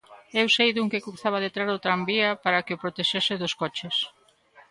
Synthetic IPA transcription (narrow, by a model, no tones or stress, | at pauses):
ewsejðuŋkekuθaβ̞aðet̪ɾaɾot̪ɾambiɐpaɾakɪopɾot̪eʃesɪðʊskɔt͡ʃes